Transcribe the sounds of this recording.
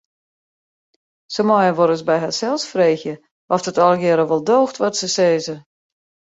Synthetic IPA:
səmɔjəʋɔɾəsbɛjɦasɛlˠsfreːxjə | ʔɔfdɔtɔlˠɡɪɾəʋɔlˠdoːxtʋɔtsəseːzə

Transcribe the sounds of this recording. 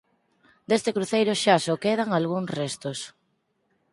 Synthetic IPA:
d̪est̪ɪkɾuθejɾoʃasokeð̞aŋalɣuŋsrest̪os

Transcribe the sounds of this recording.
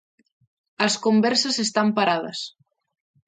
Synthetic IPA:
ɐskombɛɾsɐsest̪ampaɾað̞ɐ̰s

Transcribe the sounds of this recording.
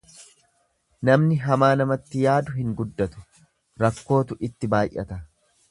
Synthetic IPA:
nɐmnɪɦɐmaːnɐmɐt̪ːɪjaːd̪ʊɦɪŋɡʊd̪ːɐt̪ʊ̥ | ɾɐkːo̞ːt̪ʊʔɪt̪ːɪbaːjʔɐ̰t̪ɐ

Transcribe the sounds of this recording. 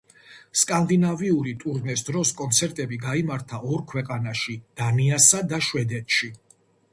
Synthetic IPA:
skʼand̪inaviuɾit̪ʼuɾnɛsd̪ɾɔskʼɔnt̪sʰɛɾt̪ʼɛbiɡaimaɾt̪ʰaʔɔɾkʰwɛqʼanaʃid̪̥aniasad̪aʃwɛd̪ɛt̪ʰʃi

